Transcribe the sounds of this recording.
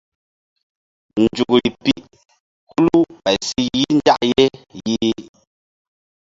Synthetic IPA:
n̩˨d͡ʒu˨ɡli˨pi˦ʔ | kʰu˦lu˦pɛ˨si˦ji˦n̩˦d͡ʒa˦ʔje˦ji˦

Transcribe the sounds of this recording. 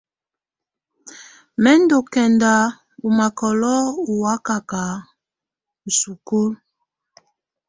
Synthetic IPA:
mɛ˦ndo˨kɛ˨nda˨ | u˨ma˨kɔ˨lɔ˦u˨wa˦ka˨ka˨˦ | u˨su˨ko˦l

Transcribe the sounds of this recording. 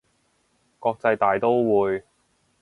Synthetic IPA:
kɔː˧k̚t͡sɐ˧jt̪aː˨˩jt̪o˥wwuː˨˧j

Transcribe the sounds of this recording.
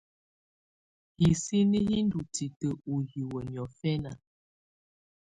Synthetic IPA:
hi˨si˦ni˦ji˦n˦du˨ti˨tə˨u˨ɣi˨wə˨ɲjɔ˨fɛ˦na˨

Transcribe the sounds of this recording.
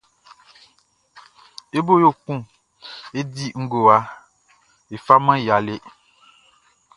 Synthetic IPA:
e˦bo˦jo˦˨k͡pũ˦ | e˦di˦ŋ̩˦ɡo˨wa˨ | e˨fa˦mã˦˨ja˨le˦

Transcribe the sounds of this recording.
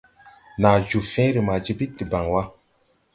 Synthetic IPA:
na˨d͡ʒu˨fɛ̃˦ɾi˨ma˨d͡ʒi˦bi˦tːi˨ba˨ŋwa˦

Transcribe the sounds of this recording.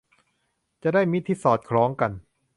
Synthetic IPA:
t͡ɕa˨˩daː˥˩jmi˦˥t̪ʰːiː˧˩sɔː˨˩t̪̚kʰɾɔː˦˥ŋka˧n

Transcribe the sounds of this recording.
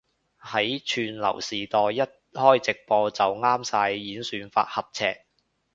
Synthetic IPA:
hɐ˨˥jt͡ʃʰyː˧nlɐ̰˨˩wsiː˨t̪ɔː˨˧jjɐ˥t̚hɔː˥jt͡sɪ˨k̚pɔː˧t͡sɐ˨wŋaː˥msaː˧jːiː˨˥nsyː˨˧nfa̰ː˧t̚hɐ˨p̚t͡sʰɛː˧k̚

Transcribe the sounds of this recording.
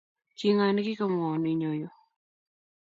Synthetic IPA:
ki˦ŋa˦ni˦ki˦ka˦mɔ˨ni˨ɲo˨jo˨

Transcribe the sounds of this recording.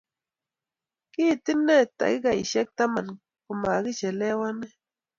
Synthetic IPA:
ki˦t̪i˦nːe˦˨t̪a̰˨ɡi˦ɡa˨i˨ʃe˦k̚t̪a˦ma˨n | ku˨ma˨ɣi˦t͡ʃe˨le˦wa˦ne˦

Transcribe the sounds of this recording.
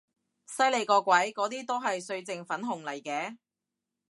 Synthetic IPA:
sɐ˥jle˨˧jkɔː˧kʷwɐ˨˥jkɔː˨˥t̪iː˥t̪o˥wɦɐ˨jsɵ˧ɥt͡sɪ˨ŋfɐ˨˥nɦʊ˨˩ŋlɐ˨˩jkɛː˨˥

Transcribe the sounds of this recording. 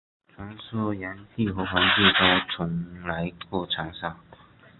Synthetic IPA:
t͡sʰwa˧˥nsɔ˥˩ja˧˥nt̪ʰi˥˨xɤ˧˥xwa˧˥nt͡ɕjɛ˥˩t̪o˥ʊt͡sʰʊ˧˥ŋla˧˥ɪkwɔ˥˩ʈ͡ʂʰɑ˧˥ŋsɑ˥˩ŋ

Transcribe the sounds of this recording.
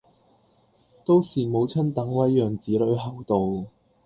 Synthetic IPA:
t̪o˥wsiː˨˩mo˨˧˥wt͡sʰɐ˥nt̪ɐ˨˥ŋwɐ˨˥jːœː˨˩ŋt͡siː˨˥lɵ˨˥ɥɦɐ˨wt̪o˨w

